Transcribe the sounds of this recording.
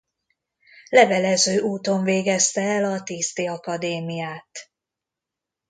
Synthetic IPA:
lɛvɛlɛzøːʔuːt̪o̞ɱveːɡɛst̪ɛɛlɒt̪iːst̪iɒkɒd̪eːmijaːt̪

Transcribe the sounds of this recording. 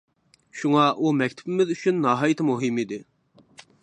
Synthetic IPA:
ʃuŋɑʔumɛkʲt̪ʰɪ̥pɪmɪðyt͡ʃʰynːɑːɦɑjɨt̪ʰɨmuɦɨmid̪ɪ

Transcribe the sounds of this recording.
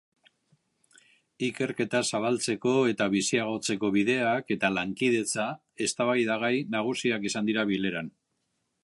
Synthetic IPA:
ike̞ɾke̞t̪asaβ̞alt͡se̞ko̞e̞t̪aβ̞isiaɣ̞o̞t͡se̞ko̞βiðe̞ake̞t̪alaŋkið̞e̞t͡sa | e̞st̪aβajðaɣ̞ajnaɣ̞usiakisand̪iɾaβile̞ɾan

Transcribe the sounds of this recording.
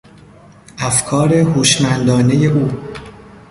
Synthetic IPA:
ʔæfkʰɒːɾe̞huːʃmænd̪ɒːne̞je̞ʔuː

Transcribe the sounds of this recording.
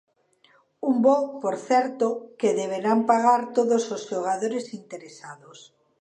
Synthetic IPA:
umbopoɾθɛɾt̪okeðeβ̞eɾampaɣaɾt̪oðosozʃoɣ̞aðoɾesint̪eɾesaðos

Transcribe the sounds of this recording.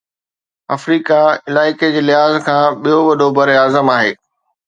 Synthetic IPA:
ɐ̰fɾiːkaɪlaːɪked͡ʑeːlɪɦaːzkʰãːɓijoʋɐɗʱobɐɾeaːzəmaːɦeː

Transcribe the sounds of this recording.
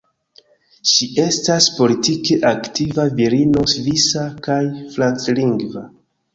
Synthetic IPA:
ʃie̞staspo̞litikeʔaktivaviɾino̞svisakajflantliŋɡva

